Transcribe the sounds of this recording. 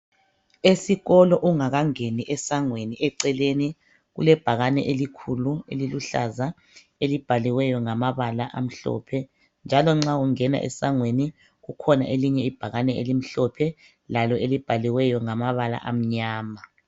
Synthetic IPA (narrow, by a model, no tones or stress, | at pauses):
esiɣɔlɔʔuŋaɣaŋeniʔɛsaŋweniʔɛǀɛleni | ɣṵlɛb̥ʱaɣanɛʔelikʰulueliluɬa̰za | elib̥ʱaliwɛjɔŋamaβalaʔam̩ɬɔ̰pʰɛ | nd͡ʒʱalɔŋ͡ǁauŋɛna̰ʔɛ̰saŋweni | ɣukʰɔna̰ʔeliɲɛib̥ʱaɣanɛḛlim̩ɬɔpʰɛ | lalɔelib̥ʱaliwɛjɔŋamaβala̰ʔam̩ɲaːma